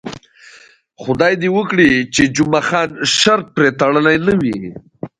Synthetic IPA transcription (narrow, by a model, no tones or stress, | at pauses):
xʊd̪ɑjd̪iwəkɽit͡ʃed͡ʒʊmaxɑnʃaɾt̪̚pɾet̪aɽənajnəwi